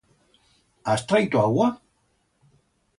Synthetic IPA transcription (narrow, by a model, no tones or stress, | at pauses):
ast̪ɾajt̪uawa